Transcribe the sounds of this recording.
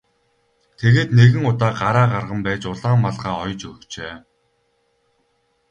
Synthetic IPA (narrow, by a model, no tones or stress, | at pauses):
t̪ʰeɣeːt̪neɣɘ̆ŋʊt̪aːɢaɾaːɢarʁə̆mpæːt͡ɕʊɮaːmːaɮʁaːɔjt͡ɕɵkt͡ɕeː